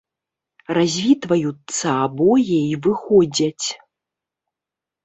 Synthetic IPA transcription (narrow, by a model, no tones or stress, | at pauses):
razʲvʲit̪vɐjut̪sɐabɔjɛivɨxɔd͡zʲɐt͡sʲ